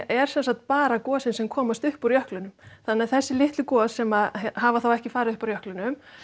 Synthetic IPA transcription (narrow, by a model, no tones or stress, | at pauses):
ʔɛɾ̥sɛnsak̚t̪̚paːɾakɔːsɪnsɛmkʰɔːmast̪ʏhpɔɾjœhklʏnʏmθanɛaθɛsːɪlɪht̪lʏkɔːsɛmaðɦaːvaθawɛhcɪfaːɾɪðʏhpaɾjœhklʏnʏm